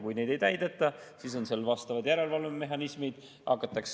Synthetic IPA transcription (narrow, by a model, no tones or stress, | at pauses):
kujne̞jd̪̥ejt̪æjd̪et̪ːˑɑsiːs̬o̞nse̞lːvɑst̪ɑvɑd̪̥jæɾe̞lvɑlvemːe̞ɦɑnismid̪̥ | ʔɑkːˑɑt̪ːˑɑks